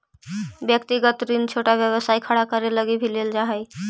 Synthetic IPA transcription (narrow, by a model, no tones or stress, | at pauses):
bjək̚t̪iɡət̪ɾint͡ʃʰoʈabjəβəsaikʰəɽakəɾeləɡibʱileld͡ʒaɦəj